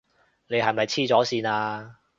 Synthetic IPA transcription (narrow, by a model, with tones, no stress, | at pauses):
ne˨˧jɦɐ˨jmɐ˨jt͡sʰiː˥t͡sɔː˨˥siː˧naː˧